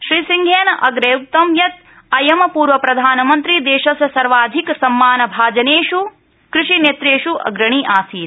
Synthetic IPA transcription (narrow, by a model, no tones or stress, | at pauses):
ʃɾisiŋɡʱeːnɐʔɐɡɾɐjuk̚t̪ɐmjɐt̪̚ | ɐjɐmɐpuːɾʋɐpɾɐd̪ʱaːnɐmɐnt̪ɾid̪eːʃɐsjɐsɐɾʋaːd̪ʱiksɐmːaːnɐbʱaːd͡ʒɐneːʂu | kɾɪʂineːt̪ɾeːʃuʔɐ̰ɡɾɐɳ̃iʔaːsiːt̪